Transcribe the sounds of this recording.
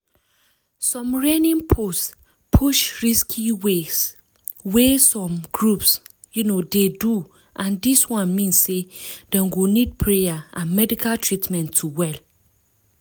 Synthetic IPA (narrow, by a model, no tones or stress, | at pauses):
sɔ̃mɹɛ̃nĩŋpʰos | pʰuʃɹiskʰiwes | wɛsɔ̃mɡɹups | junodedu | ʔãndiswɔ̃nmĩnsːedɛ̃mɡonid̚pʰɹejaãnmɛdikaltʰɹitmɛ̃ntʰːuwɛl